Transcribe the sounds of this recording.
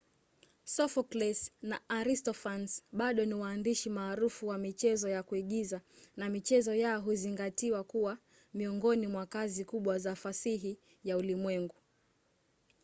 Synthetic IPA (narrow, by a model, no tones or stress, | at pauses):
sɔfɔklɛsnaaɾistɔfansɓaɗɔniwaːndiʃimaːɾufuwamit͡ʃɛzɔjakuiɠizanamit͡ʃɛzɔjaɔɦuziŋɡatiwakuwa | miɔŋɡɔnimwakazikuɓwazafasiɦi | jaulimwɛŋɡu